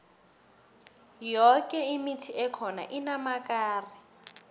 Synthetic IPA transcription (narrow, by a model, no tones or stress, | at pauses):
jɔkʼɛimitʰiɛkʰɔna̰ʔinamakʼaːri